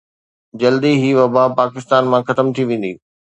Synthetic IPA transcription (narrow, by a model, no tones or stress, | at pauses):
d͡ʑɐld̪iɦiʋɐbaːpaːkɪst̪aːnmãxɐt̪əmt̪ʰiʋẽːn̆d̪i